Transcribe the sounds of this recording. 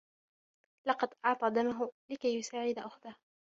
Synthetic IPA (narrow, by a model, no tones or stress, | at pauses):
lɑqɑd̪ʔɑʕt̪ˤɑd̪amaɦʊlɪkajːʊsaːʕɪd̪aʔʊxd̪ah